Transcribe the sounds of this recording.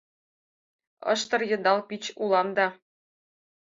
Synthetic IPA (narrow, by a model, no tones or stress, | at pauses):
ɤ̰̆ʃt̪ɤ̆rjɤ̆nd̪ɑlˠpit͡ɕulˠɑmd̪ɑ